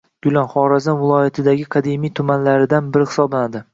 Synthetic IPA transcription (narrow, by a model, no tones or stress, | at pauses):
ɡ̥ʊlˠanχɒɾazanvɪlˠɒjat̪ʰɪd̪aɡʲɪkʰad̪emijt̪ʰʊmanlaɾɪd̪anbɪɾɪhɪ̥sɒblanad̪ɪ